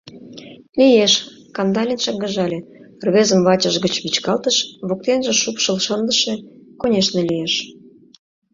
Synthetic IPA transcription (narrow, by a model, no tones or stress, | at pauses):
lijeʃ | kɑnd̪ɑlʲinʃɑɡəʒɑlʲe | rβezə̆mβɑt͡ɕə̆ʒɣət͡ɕβit͡ɕkɑlt̪əʃβok̚t̪enʒĕʃupʃəlʃənd̪ə̆ʃekonʲeʃnelijeʃ